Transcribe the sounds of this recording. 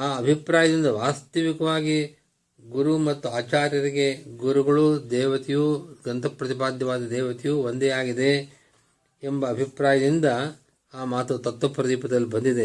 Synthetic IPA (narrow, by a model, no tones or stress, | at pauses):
aːɐbʱipɾaːjɐd̪ind̪ɐʋaːst̪ɐʋikɐʋaːɡi | ɡuɾumɐt̪ːuaːt͡ʃaːɾjɐɾiɡe̞ɡuɾuɡɐɭud̪ɛːʋɐt̪ijuɡɐnt̪ɐpɾɐt̪ipaːd̪jɐʋaːd̪ɐd̪ɛːʋɐt̪ijuʋond̪eaːɡid̪e̞ | embɐːbʱipɾaːjɐd̪ind̪ɐ | aːmaːt̪ut̪ɐt̪ːʋɐpːɾɐd̪iːpɐd̪ɐlːibɐnd̪id̪e̞